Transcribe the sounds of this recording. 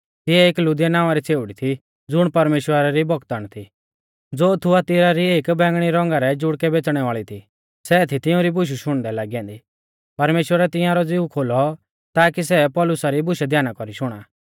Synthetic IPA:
t̪ɪɛeːklʊd̪ɪjanaːʊ̃aɾit͡seːʋʊɽit̪ʰi | d͡zʊɽ̃pɐɾmeːʃwəɾaɾibɔkt̪aːñt̪ʰi | d͡zoːt̪ʰuat̪ɪɾaɾieːkbɛ̃ːŋɡɽ̃iɾɔ̃ŋɡaɾɛd͡ʒʊɽkɛbeːt͡sɽ̃ɛʋaːɭit̪ʰi | sɛːt̪ʰit̪ɪʊ̃ɾibʊʃ̬uʃʊɽ̃d̪ɛlaːɡiɛ̃ːnd̪i | pɐɾmeːʃwəɾɛt̪ɪ̃jãɾɔd͡ziukʰoːlɔ | t̪aːkisɛpɔːlʊsaɾibʊʃɛd̪ʱjaːnakɔɾiʃʊɽ̃aː

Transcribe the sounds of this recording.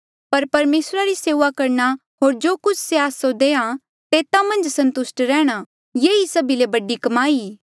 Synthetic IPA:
pɐɾpɐɾmeːsɾaɾiseːʋakɐɾɳa | ɦoːɾd͡ʒoːkʊt͡ʃʰseaːsod̪eːã | t̪eːt̪amɐ̃nd͡ʒsɐ̃nt̪ʊsʈɾɛːɽ̃a | jeːisɐbilebɐɖikɐmaːi

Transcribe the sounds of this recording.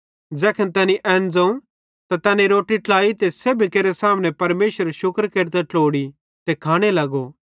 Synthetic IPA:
d͡ʒɛːkʰənt̪ɛːniʔɛ̃ːnd͡zɐ̃ũ | t̪at̪ɛːnĩɾoːʈiʈlaːit̪eseːbʱikeːɾesaːmñɛ̃pɐɾmeːʃəɾʃʊkɾkeɾt̪̬ɛʈloːɽi | t̪ekʰaːɽ̃elɐɡo

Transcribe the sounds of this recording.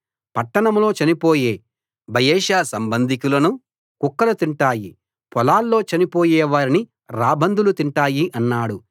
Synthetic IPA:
pɐʈːɐɳɐmlo̞ːt͡ʃɐnipo̞ːje̞ː | bʱɐjeːʃaːsɐmbɐnd̪ʱikulɐnu | kukːɐlut̪iɳʈaːji | pɔlaːlːo̞ːt͡ʃɐnipo̞ːjɛːʋaːɾini | ɾaːbʱɐnd̪ʱulut̪iɳʈaːjiʔɐnːaːɽu

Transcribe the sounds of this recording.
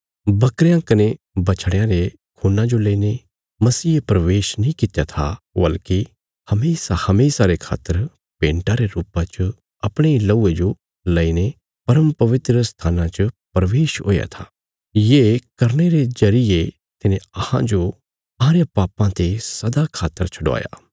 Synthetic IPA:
bɐkɾjãkɐne | bɐt͡ʃʰɽ̃jãɾe | kʰuːnãd͡ʒoleːine | mɐsiːepɾɐʋeːʃnĩkɪt̪jat̪ʰa̰ | bɐlki | hɐmeːsahɐmeːsaɾekʰa̰ːt̪ːəɾ | pẽːɳʈaɾeɾuːpãt͡ʃə | ɐpɽ̃eilɐuːed͡ʒo | lɐine | pɐɾəmpɐʋɪt̪ɾəst̪ʰaːnãt͡ʃəpɾɐʋeːʃɦo̰ːja̰t̪ʰaː | jeːkɐɾñeɾezɐɾɪe | t̪ɪnẽɐhã̰d͡ʒo | ɐɦãɾejapaːpãt̪esɐd̪akʰaːt̪ːəɾt͡ʃʰʊɽʋa̰ːja̰ː

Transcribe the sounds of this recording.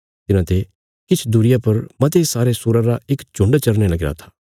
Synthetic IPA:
t̪ɪnãːt̪e | kɪt͡ʃʰd̪uɾɪjapɐɾmɐt̪esaːɾesʊːɾãɾaɪkt͡ʃʊ̃ɳɖt͡ʃɐɾnelɐɡɾa̰ːt̪ʰḁː

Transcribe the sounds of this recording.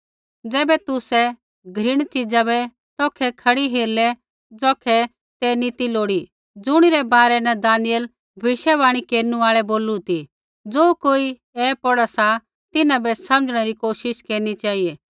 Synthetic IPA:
d͡zɛːbɛt̪ʊsɛ | ɡʱɾɪɽ̃t͡ʃɪd͡zabɛ | t̪ɔːkʰɛkʰɐɽiɦeːɾlɛ | d͡zɔːkʰɛ | t̪ɛnit̪iloːɽi | d͡zʊɽ̃iɾɛbaːɾɛnɛd̪aːnɪjəl | bʱɐʋɪʃɛʋaːɽ̃ikeːɾnũaːɭɛboːlut̪i | d͡zoːkoːi | ɛːpɔɽasa | t̪ɪnãbɛsɐ̃md͡ʒɽ̃ɛɾikoːʃɪʃkeːɾnit͡ʃaːiɛː

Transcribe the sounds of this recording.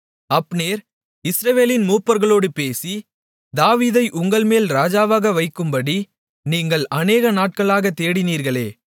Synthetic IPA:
ɐpːneːɾ | ɪsɾɐʋeːlɪnmuːpːɐɾɣɐɭoːɽɯpeːsi | d̪aːʋiːðɐɪʔʊŋɡɐɭmeːlɾaːd͡ʒaːʋaːɣɐʋɐɪkːɯmbɐɽi | niːŋɡɐɭɐneːɣɐnaːʈ̚kɐɭaːɣɐt̪ːeːɽɪniːɾɣɐɭeː

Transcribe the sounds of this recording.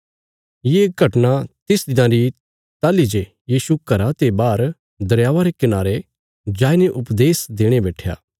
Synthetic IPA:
jeɡʱɐʈnat̪ɪsd̪ɪnãɾi | t̪aːlid͡ʒe | jiːsukɐɾat̪ebaːɾ | d̪ɐɾjaːʋaɾekɪnaːɾe | d͡ʒaːɪneʔʊpd̪eːsd̪eːɽ̃ebɛːʈʰja̰ː

